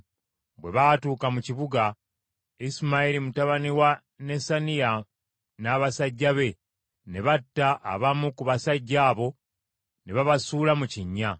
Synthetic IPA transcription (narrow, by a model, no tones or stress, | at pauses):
bwe̞βatuːkamuciβuɡa | isimailimutaβaniwa | ne̞sanija | naβasaɟːaβe̞ | ne̞βatːaʔːβamukuβasaɟːaːβo̞ | neβaβasuːlamuciɲːa